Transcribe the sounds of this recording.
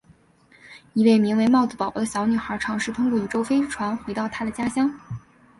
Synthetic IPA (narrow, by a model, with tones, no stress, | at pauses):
i˧˥we˥˩ɪmi˧˥ŋwe˧˥ɪmɑ˥˩ʊd͡zɹ̩˩pɑ˨˩ʊpɔ˥d̪ə˧ɕjɑ˧˥ʊny˨˩xə˞˧˥ʈ͡ʂʰɑ˧˥ŋʂɻ̩˥˩t̪ʰʊ˥ŋkwɔ˥˩y˨˩ʈ͡ʂo˥ʊfe˥ɪʈ͡ʂʰwa˧˥nxwe˧˥ɪt̪ɑ˥˩ʊt̪ʰa˥d̪ə˨t͡ɕja˥ɕjɑ˥ŋ